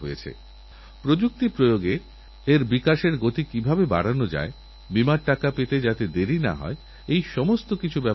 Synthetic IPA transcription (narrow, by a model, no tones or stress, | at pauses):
ɦojet͡ɕʰḛ | pɾod͡ʑuk̚t̪ipɾojoɡe | eɾbikaʃeɾɡot̪ikibʱabeba̰ɽanod͡ʑa̰e | bimaɾʈakapet̪ed͡ʑat̪ed̪eɾina̰ɦɔ̰e | ejʃɔmost̪okit͡ɕʰubɛ